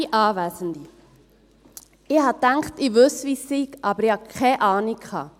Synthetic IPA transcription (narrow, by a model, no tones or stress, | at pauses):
iʔɑːʋæːzənd̪i | ɪhɑtæŋktɪʋɵsʋisiɡ̥ʔɑbəɾihɑkʰχɛʔɑːnikkʰχɑ̰ː